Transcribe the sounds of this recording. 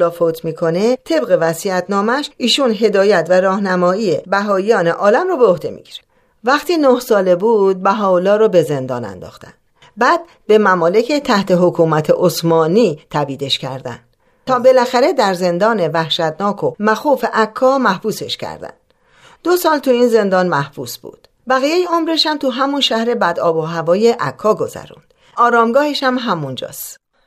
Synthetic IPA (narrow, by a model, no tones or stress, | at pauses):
lɒːfot̪ʰmiːkʰo̞ne̞t̪ʰe̞bɣe̞væsiæt̪ʰnɒːmæʃʔiːʃunɦe̞d̪ɒːjæt̪væɾɒːhnæmɒːiebæɦɒːijɒːne̞ʔɒːlæmrɔːbeohd̪e̞̰mḭɟiɾe | væχt̪ʰiːnohsɒːle̞buːd̪̚bæɦɒːolɒːɾɒːbe̞ze̞nd̪ɒ̰ːnæ̰nd̪ɒ̰ːxt̪æ̰nd̪̥ | bæːd̪̥̚ | be̞mæmɒːle̞cʰet̪ʰæht̪ʰe̞ɦokʰuːmæt̪ʰeʔosmɒːniːt̪ʰæbiːd̪e̞ʃcʰæ̰ɾd̪æ̰nd̪ | t̪ʰɒːbe̞læxæɾe̞d̪æɾze̞nd̪ɒːne̞væhʃæd̪nɒːkʰomæxuːfeʔækʰːɒːmæhbuːse̞̰ʃcʰæ̰ɾd̪æ̰n̥ | d̪o̞sɒːlt̪ʰuiːnze̞nd̪ɒːnmæhb̥ṵːsb̥ṵːd̪̥ | bæɣijejeomɾeʃæmt̪ʰuɦæmunʃæhɾe̞bæd̪ɒːboɦævɒːjeʔækʰːɒːɡo̞zæ̰ɾṵnd̪̥ | ʔɒːɾɒːmɡɒːheʃæmɦæmund͡ʒɒ̰ːst̪